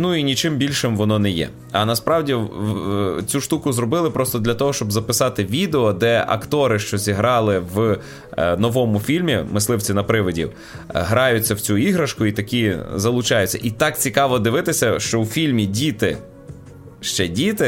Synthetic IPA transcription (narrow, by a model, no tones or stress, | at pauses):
nuinʲit͡ʃɪmbʲilʲʃɪmʋɔnɔnɛjɛ̰ | ɐnɐspɾɑwdʲi | t͡sʲuʃt̪ukʊzrɔbɪlˠɪpɾɔst̪ɔd̪lʲɐt̪ɔɦɔʃt͡ʃɔbzɐpɪsɑt̪ɪʋʲid̪eɔd̪ɛʔɐ̰kt̪ɔɾɪʃt͡ʃɔzʲiɦɾɑlˠɪʋ | nɔʋɔmʊfʲilʲmʲimɪslˠɪwt͡sʲinɐpɾɪʋɔdʲḭw | ɦɾɑjʊt͡sʲːɐwt͡sʲuiɦɾɐʃkʊit̪ɐkʲizɐlˠʊt͡ʃɑjʊt͡sʲːɐ̰ʔit̪ɑk̚t͡sʲikɑʋɔd̪ɪʋɪt̪ɪsʲɐʃt͡ʃɔwfʲilʲmʲidʲit̪ɪ | ʃt͡ʃɛdʲit̪ɪ